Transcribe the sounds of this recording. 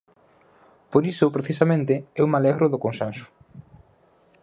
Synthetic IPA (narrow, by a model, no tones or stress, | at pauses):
poɾisʊpɾeθisamẽnt̪eɛumalɛɣɾʊðʊkonsansʊ̥